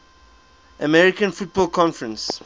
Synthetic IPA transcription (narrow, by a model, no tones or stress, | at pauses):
ʔəmɛɹikə̃nfut̚bɔːlkʰɔ̃nfəɹə̃ns